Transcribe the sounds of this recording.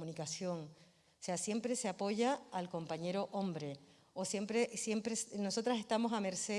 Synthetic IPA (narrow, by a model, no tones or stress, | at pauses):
munikasjo̞ŋ | ose̞asje̞mpɾe̞se̞apo̞ʝaːlko̞mpaɲe̞ɾo̞ʔo̞mbɾe̞ | osje̞mpɾe̞sje̞mpɾesno̞so̞t̪ɾase̞st̪amo̞same̞ɾse